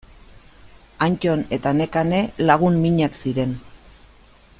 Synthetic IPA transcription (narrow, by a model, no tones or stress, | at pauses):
ant͡ʃone̞t̪ane̞kane̞laɣ̞unmiɲaksiɾe̞n